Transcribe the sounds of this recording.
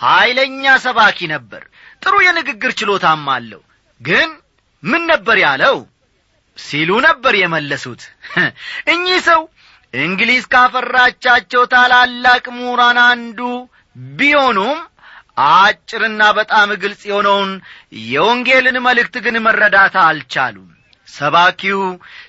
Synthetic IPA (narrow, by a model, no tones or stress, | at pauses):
hajləɲːasəβakʰinəbːə̰ɾ | t̪ʼɨɾujɛnɨɡɨɡːɨɾt͡ʃɪlo̞t̪amːa̰lːə̰w | ɡɨn | mɨnːəbːəɾjaləw | silunəbːəɾjɛməlːəsut̪ | ʔɨɲːisəw | ʔɨŋɡlizkʰafərːat͡ʃːat͡ʃːɛwt̪ʰalalːakʼmuɾanand̪u | biho̞num | ʔat͡ʃʼːɪɾɨnːabət̪ʼamɨɡɨlsʼjɛho̞nəwnjɛoŋɡe̞lɨnməlɨk̚t̪ɡɨnmərːəd̪at̪ʰaːlt͡ʃa̰lṵm | səβakʰiw